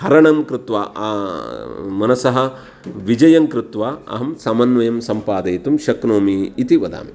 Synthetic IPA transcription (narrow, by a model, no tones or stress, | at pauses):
hɐɾɐɳɐmkɾut̪ʋa̰ː | mɐnɐsɐɦɐ̆ | ʋid͡ʒɐjɐŋkɾut̪ʋaːɐ̰ɦɐmsɐmɐnʋɐjɐmsɐmpaːd̪ɐjt̪umʃɐknoːmiːt̪iʋɐd̪a̰ːmi